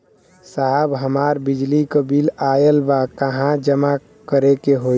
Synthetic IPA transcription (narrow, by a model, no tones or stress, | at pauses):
saɦəbɦəmaːɾbɪd͡ʒlikəbilajəlbakəɦãd͡ʒəma | kəɾekeɦo